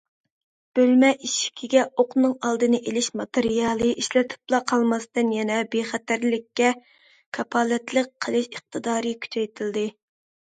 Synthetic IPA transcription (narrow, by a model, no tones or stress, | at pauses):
b̥ølmɛʔiʃi̥kʲʰiɡʲɛoqnɨŋɑlˠd̪ɨnɨʔelɪʃmɑt̪eɾijɑlˠɨʔiʃlɛt̪ʰɨ̥plˠɑqʰɑlˠmɑst̪ɨnjɛnɛbeχæt̪æɾlɪkʲːɛ | kʰɑpʰɑːlˠɛt̪lˠək̚ʲqʰəlˠɨʃəχ̚t̪ʰɨd̪ɑːɾɨkʲʰy̥t͡ʃʰɛjt̪ʰɪld̪ɨ